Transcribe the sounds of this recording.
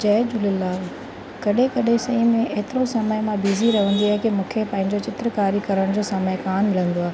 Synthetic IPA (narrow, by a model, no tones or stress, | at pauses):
d͡ʑɐːd͡ʑʊlɪlːaːl | kɐɗẽkɐɗẽsɐĩmẽʔeɦt̪ɪɾosɐməjmãbiːziɾɐɦə̃n̆d̪iɐɦkemũːkʰepɐ̃ːɦɪ̃ɲ̆d͡ʑot͡ɕɪt̪ɾəkaːɾikɐɾəɽ̃d͡ʑoːsɐməkaːnmɪlə̃nd̪oaːɦe